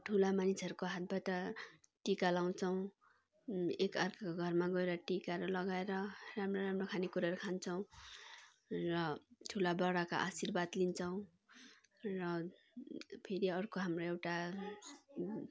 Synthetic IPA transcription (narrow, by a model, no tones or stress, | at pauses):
ʈʰulamanisʌɾukoɦat̪̚bʌjt̪ʌ | ʈikalaw̃t͡sʰʌw̃ | ekʌrkakoɡʱʌrmaɡʌeɾʌʈikaɾʌlʌɡaeɾʌramroɾamrokʰanikuɾaɾukʰant͡sʰʌw̃ | rʌʈʰulabʌɽaka̰ʔasirbad̪lint͡sʰʌw̃ | rʌ | pʰeɾiʌrkoɦamroewʈa